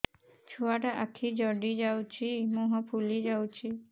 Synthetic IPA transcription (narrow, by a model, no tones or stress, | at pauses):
t͡ʃʰuaʈaʔakʰːid͡ʒəɖid͡ʒawt͡ʃʰimũɦɔ̃pʰulid͡ʒawt͡ʃʰi